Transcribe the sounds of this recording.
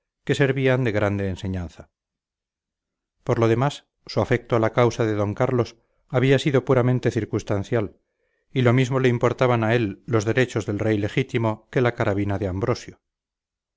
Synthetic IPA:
ke̞se̞ɾβiand̪e̞ɣɾand̪e̞ːnse̞ɲan̟θa | poɾlo̞ð̞e̞masː | uafek̚t̪oalakawsaðe̞ðo̞ŋkaɾlo̞s | aβiasiðo̞puɾamẽ̞nt̪e̞θiɾkunst̪anθjal | ilo̞mizmo̞le̞impo̞ɾt̪aβ̞anae̞lːo̞zðe̞ɾe̞t͡ʃo̞zðe̞lre̞jle̞xit̪imo̞ke̞lakaɾaβ̞inaðeambɾo̞sjo

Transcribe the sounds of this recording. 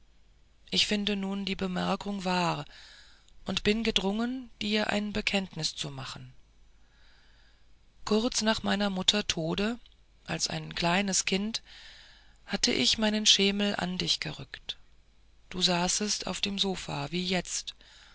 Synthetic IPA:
ʔɪçfɪndənuːndiːbəmɛɐkʰʊŋvaːʁ | ʔʊntb̥ɪnɡədʁʊŋənd̥iːɐʔa̰ɪnbəkʰɛntnɪst͡sumaχn̩ | kʰʊʁɐt͡snaːχmaɪnɐmʊtʰɐtʰoːdə | ʔalsʔa̰ɪnkl̥aɪnəskʰɪnt | hatʰə̰ʔɪ̰çmaɪnənʃeːml̩ʔa̰ndɪçɡ̥əʁʏkt | d̥uːzaːsəsta̰ʊfd̥eːmzoːfa̰ːviːjɛt͡st

